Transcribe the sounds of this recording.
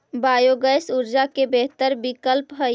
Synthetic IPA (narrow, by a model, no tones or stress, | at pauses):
baːjoɡəjsuɾd͡ʒakebeɦt̪əɾbikəlpɦə